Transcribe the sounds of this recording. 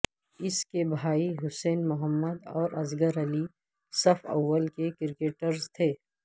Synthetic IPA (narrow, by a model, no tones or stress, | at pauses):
ɪskebʱaːiɦʊsɛːnmʊɦəmːəd̪ɔːɾɐzɡəɾɐli | sɐfɐ̰wːəlkekɪɾɪkeːʈəɾzt̪ʰeː